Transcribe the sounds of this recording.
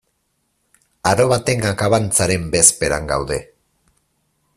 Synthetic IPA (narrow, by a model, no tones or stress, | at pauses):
aɾo̞βat̪e̞ŋɡakaβant͡saɾe̞mbe̞spe̞ɾa̰ŋɡa̰wðe̞